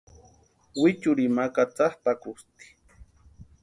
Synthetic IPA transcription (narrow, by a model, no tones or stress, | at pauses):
wɪt͡ʃʊɾimakat͡sahpakʊst̪i̥